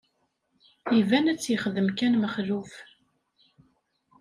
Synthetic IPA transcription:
ivænæt͡sːjəχðəmkænməχðuf

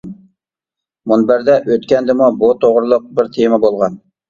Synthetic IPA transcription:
munbæɾd̪ɛʔøt̪kʲɛnd̪ɪmubut̪ʰoʁɾɨlˠʊq̚bɪɾt̪ʰemɛbolˠʁɑn

